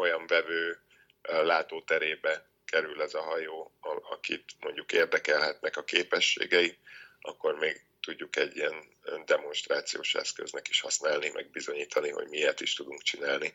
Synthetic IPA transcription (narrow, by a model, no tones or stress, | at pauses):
o̞jɒɱvɛvøː | laːt̪oːt̪ɛɾeːbɛ | kɛɾylɛzɒɦɒjoːɒ̰kḭt̪mo̞ɲɟukeːrd̪ɛkɛlɦɛt̪nɛkɒkeːpɛʃːḛːɡɛiɒkːo̞rmeːɡ | t̪uɟːukɛɟːiɛn | d̪ɛmo̞nʃt̪raːt̪sijoːʃɛ̰skøznɛki̥ʃhɒsnaːlnimʔɛ̰ɡ̚bizo̞ɲiːt̪ʰɒniɦo̞̰ɟmiert̪iʃt̪ud̪uŋkt͡ʃinaːlni